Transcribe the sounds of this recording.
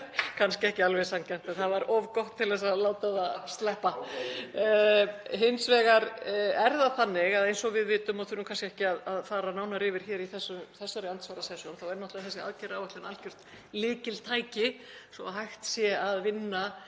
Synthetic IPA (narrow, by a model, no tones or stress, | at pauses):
kʰanskcɪɛhcɪalvɛsamcan̥t̪ɛnθaðvaɾɔvkɔht̪ʰːɪlðɛsaðlaːwt̪aðast̪lɛhpa | ɦɪnsvɛːɣaɾɛɾðaθanːɪɣaðejnsɔɣvɪðvɪːt̪ʏmaðθʏːnuːkʰanscɪɛhcɪaðaðfaːɾanaːwnaɾɪːvɪɾ̥çɛːɾiθɛsːʏθɛsːaɾɛant̪svaːɾasɛsjonθawɛɾnɔht̪vaθɛsɪa̰ðcɛɾawaht̪lɪnal̥cʏr̥t̪ | lɪːcɪlt̪ʰaːjcɪsɔaɦajxt̪sjɛaðvɪnːa